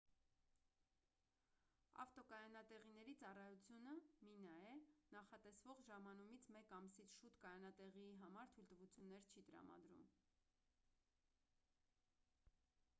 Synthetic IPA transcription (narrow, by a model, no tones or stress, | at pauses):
ɑ̰ft̪ɔkɑjɑnɑt̪ɛʁinɛɾit͡sɑrɑjut͡sʰjunəminɑjɛnɑχɑt̪ɛsvɔʁʒɑmɑnumit͡sʰmɛkɑmsit͡sʰʃut̪kɑjɑnɑt̪ɛʁiiɦɑmɑɾt̪ʰujlt̪əvut͡sʰjunːɛɾt͡ʃʰit̪əɾɑ̰mɑ̰d̪ɾṵm